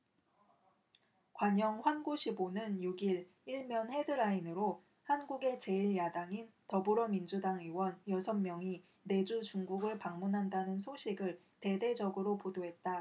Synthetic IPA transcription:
kwaɲʌŋɸwanɡuɕʰibonɯnjuɡiɭ | iɭmjʌnhe̞dɯɾainɯɾo | hanɡuɡe̞t͡ɕe̞iɭjadaŋintʌbuɾʌmind͡ʑudaŋiwʌnjʌsʰʌmːjʌŋi | ne̞d͡ʑut͡ɕuŋɡuɡɯɭpaŋmunɦandanɯnsʰoɕʰiɡɯɭ | te̞de̞d͡ʑʌɡɯɾopodoɦe̞t̚t͈a

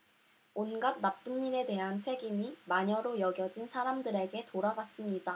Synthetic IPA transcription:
onɡad̚nap̚p͈unːiɾe̞de̞ɦant͡ɕʰe̞ɡimimaɲʌɾojʌɡjʌd͡ʑinsʰaɾamdɯɾe̞ɡe̞toɾaɡas͈ɯmɲida

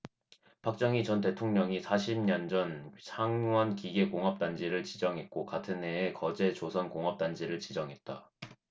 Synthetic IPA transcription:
pʰak̚t͡ɕ͈ʌŋit͡ɕʌnte̞tʰoŋɲʌŋisʰaɕʰimɲʌnd͡ʑʌnsʰaŋwʌnkiɡe̞koŋɦʌp̚t͈and͡ʑiɾɯɭt͡ɕid͡ʑʌŋɦe̞t̚k͈okatʰɯnɦe̞ːkʌd͡ʑe̞t͡ɕosʰʌnkoŋɦʌp̚t͈and͡ʑiɾɯɭt͡ɕid͡ʑʌŋɦe̞t̚t͈a

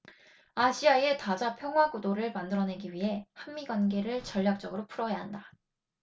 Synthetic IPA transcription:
aɕʰiaietad͡ʑapʰjʌŋɦwaɡudoɾɯɭmandɯɾʌne̞ɡiɥiɦe̞hanmiɡwanɡe̞ɾɯɭt͡ɕʌʎːak̚t͡ɕ͈ʌɡɯɾopʰuɾʌjaɦanda

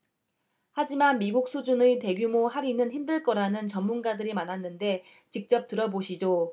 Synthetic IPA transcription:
had͡ʑimanmiɡuk̚s͈ʰud͡ʑunete̞ɡjumohaɾinɯnçimdɯɭk͈ʌɾanɯnt͡ɕʌmːunɡadɯɾimanɦanːɯnde̞ | t͡ɕik̚t͡ɕ͈ʌp̚t͈ɯɾʌboɕʰid͡ʑo

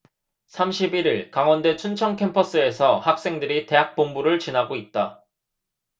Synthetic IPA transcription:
sʰamɕʰibiɾiɭkaŋwʌnde̞t͡ɕʰunt͡ɕʰʌŋkʰe̞mpʰʌs͈ɯe̞sʰʌhak̚s͈e̞ŋdɯɾite̞ɦak̚p͈ombuɾɯɭt͡ɕinaɡoit̚t͈a

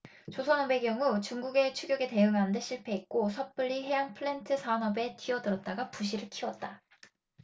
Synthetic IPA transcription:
t͡ɕosʰʌnʌbe̞ɡjʌŋut͡ɕuŋɡuɡe̞t͡ɕʰuɡjʌɡe̞te̞ɯŋanɯndeɕʰiɭpʰe̞ik̚k͈osʰʌp͈ɯɭːiɦe̞jaŋpʰɯɭentʰɯsʰanʌbe̞tɥiʌdɯɾʌt̚t͈aɡapuɕ̬ʰiɾɯɭkʰiwʌt̚t͈a

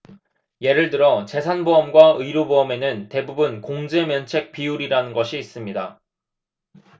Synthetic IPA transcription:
je̞ɾɯɭtɯɾʌt͡ɕe̞sʰanboʌmɡwaɯiɾobuʌme̞nɯnte̞bubɯnkoŋd͡ʑe̞mjʌnt͡ɕʰe̞k̚p͈iuɾiɾanɯnɡʌɕʰiːs͈ɯmɲida

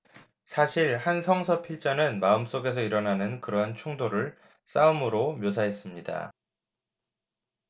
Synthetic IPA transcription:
sʰaɕʰiɭhansʰʌŋsʰʌpʰiɭt͡ɕ͈ʌnɯnmaɯms͈oɡe̞s̬ʰʌiɾʌnanɯnkɯɾʌɦant͡ɕʰuŋdoɾɯɭ | s͈aumɯɾomjos̬ʰaɦe̞s͈ɯmɲida̰

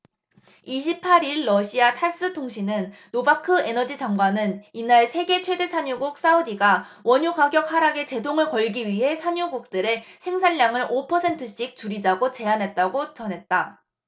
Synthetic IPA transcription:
iɕ̬ʰip̚pʰaɾiɭːʌɕʰiatʰas͈ɯtʰoŋɕʰinɯnː | obakʰɯe̞nʌd͡ʑit͡ɕaŋɡwanɯninaɭsʰe̞ɡe̞t͡ɕʰwe̞de̞sʰaɲuɡuk̚s͈audiɡa | wʌɲukaɡjʌk̚haɾaɡe̞t͡ɕe̞doŋɯɭkʌɭɡiɥiɦe̞sʰaɲuɡuk̚t͈ɯɾe̞sʰe̞ŋsʰaʎːaŋɯɾopʰʌsʰe̞ntʰɯɕ͈ik̚t͡ɕuɾid͡ʑaɡot͡ɕe̞anɦe̞t̚t͈aɡot͡ɕʌnɦe̞t̚t͈a

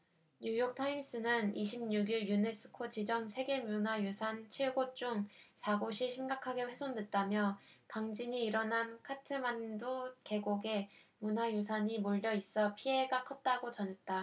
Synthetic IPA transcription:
ɲujok̚tʰaims͈ɯnɯniɕʰimɲuɡiɭjunes͈ʰɯ̥kʰot͡ɕid͡ʑʌŋsʰe̞ɡe̞mjunajusʰant͡ɕʰiɭɡot͡ɕ͈uŋsʰaɡoɕʰiɕʰimɡakʰaɡe̞ɸwe̞sʰondwe̞t̚t͈amjʌtaŋd͡ʑiɲiːɾʌnɦankʰatʰɯmandoke̞ɡoɡe̞munajus̬ʰaɲimoʎːjʌis͈ʌpʰie̞ɡakʰʌt̚t͈aɡot͡ɕʌne̞t̚t͈a

